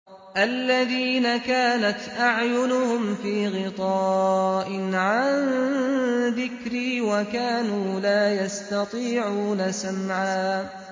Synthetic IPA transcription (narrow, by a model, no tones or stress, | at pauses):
ʔalːaðiːnakaːnat̪ʔaʕjʊnʊhʊmfiːɣɪt̪ˤɑːʔɪnʕan | ðɪkɾiːwakaːnuːlaːjast̪ɑt̪ˤiːʕuːnasamʕaː